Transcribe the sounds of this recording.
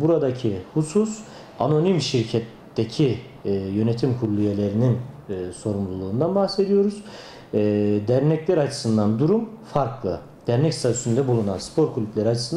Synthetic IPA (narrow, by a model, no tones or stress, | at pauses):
buɾad̪acʰihusus | ano̞nimʃiɾcʰɛt̪ːecʰi | jø̞net̪ʰimkʰuɾlˠujelʲe̞ɾininːso̞ɾumlˠulˠuːnd̪anbaxse̞d̪ijo̞ɾuz̥ | d̪æɾnɛclʲæɾat͡ʃʰɯ̥sɯnd̪and̪uɾumfaɾklˠɯ | d̪̥æɾnɛcst̪ʰat̪ʰy̥synd̪ɛbulˠunanspʰo̞ɾkʰulʲyplʲæɾiat͡ʃʰɯ̥sɯn